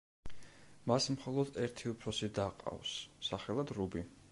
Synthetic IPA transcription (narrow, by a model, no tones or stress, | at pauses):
masmχɔlˠɔd̪ɛɾt̪ʰiupʰɾɔsid̪aqʼa̰wsːaχɛlˠad̪ɾubi